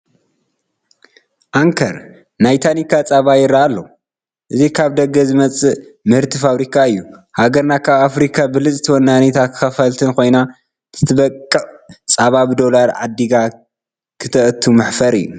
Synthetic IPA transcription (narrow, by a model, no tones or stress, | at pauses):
ʔaŋkʰɐɾ | najt̪ʰanikʰat͡sʼaβajɪɾːaːlːɐ | ʔɨzikʰaβd̪ɐɡːɐzɨmɐt͡sʼɨʔmɨhɨɾt̪ʰifaβɾikʰaɨjːuhaɡɐɾnakʰaβafɾikʰabɨlɨt͡sʼt̪ʰɨwɐnːanet̪ʰakʰɨ̥xɐfɐlt̪ʰɨnkʰo̞jna | tʰɨt̪ʰɨβɐkʼːɨʔʼt͡sʼaβaβd̪o̞laɾʕa̰d̪iɡa | kʰɨt̪ʰɐʔt̪ʰːumɨħfɐɾɨ̰jːṵ